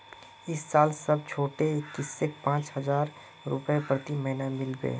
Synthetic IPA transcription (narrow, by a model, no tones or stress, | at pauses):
ɪsːaːlsɐb̚t͡ʃʰoːʈekːɪsːek̚pãːt͡ʃhəzaːɾ | ɾʊ̰pepɾət̪iməɦnamɪlbḛː